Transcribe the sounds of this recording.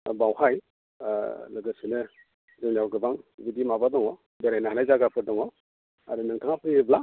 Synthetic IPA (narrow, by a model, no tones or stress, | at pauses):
bawhaj | lɯɡɯsinɯ | zɯnawɡɯbaŋbidimabadɔŋɔ | beɾajnaɦanajzaɡapʰɯɾdɔŋɔ | a̰ɾɯnɯŋtʰaŋapʰɯɾbla